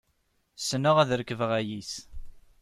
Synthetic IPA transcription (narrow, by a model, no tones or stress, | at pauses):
sənəʁæðɾəkːəvəʁæjis